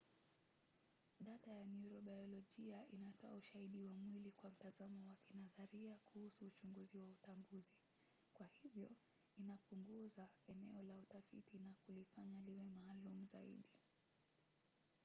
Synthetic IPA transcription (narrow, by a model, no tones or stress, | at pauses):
ɗatajanjuɾɔɓajɔlɔʄiaʔinatɔauʃaiɗiwamwilikwam̩tazamɔwakinaðaɾiakuhusuːt͡ʃuŋɡuziwautambuzi | kwahivjɔ | inapuŋɡuzaɛnɛ̰ɔlautafḭtinakulifaɲaliwɛmaːlumuzaḭɗi